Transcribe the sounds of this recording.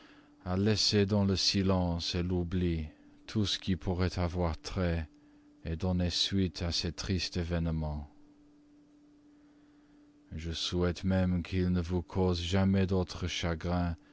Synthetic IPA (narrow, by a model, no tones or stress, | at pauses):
alɛsed̪ɑ̃ləsilɑ̃selubli | t̪ʰusə̥kʲipʰuʁɛt̪ʰavwaʁt̪χɛ | ed̪ɔnesɥit̪ʰasɛt̪χist̪evɛnmɑ̃ | ʒəsuɛt̪mɛmkʰilnəvukʰozʒamɛd̪ot̪χəʃaɡʁɛ̃